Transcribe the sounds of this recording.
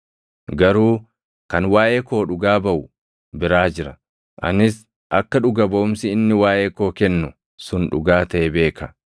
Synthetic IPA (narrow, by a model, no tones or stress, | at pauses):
ɡɐɾuː | kɐnwaːjʔeːko̞ːᶑʊɡaːbɐʔʊ | bɪɾaːd͡ʒɪɾɐ | ʔɐ̰nɪs | ʔɐkːɐᶑʊɡɐbɐʔʊmsɪɪnːɪwaːʔeːko̞ːkɛnːʊ | sʊnᶑʊ̰ɡaːt̪ɐʔɛbe̞ːkɐ